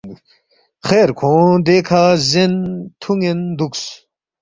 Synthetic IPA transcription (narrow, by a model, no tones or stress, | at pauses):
xeːɾkʰõd̪ekʰazent̪ʰuŋend̪uks